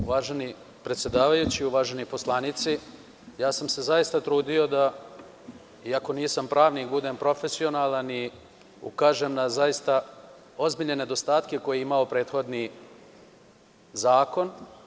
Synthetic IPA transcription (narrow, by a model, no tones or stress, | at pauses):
uʋaːʒe̞ni | pɾet̪sʲje̞d̪aːʋajut͡ɕiuʋaːʒe̞nipo̞slˠanit̪si | jaːsamse̞zajist̪at̪ɾuːd̪io̞d̪a | iako̞niːsampɾaːʋnikbud̪e̞ːmpɾo̞fe̞sio̞naːlani | ṵkaːʒeːmnazaist̪a | o̞zbiʎne̞ne̞d̪o̞st̪aːt̪ke̞ko̞jeimao̞pɾe̞ːd̪xo̞d̪ni | zaːko̞n